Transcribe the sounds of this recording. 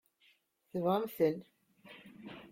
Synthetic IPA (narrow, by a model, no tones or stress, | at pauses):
θəvʁəmθən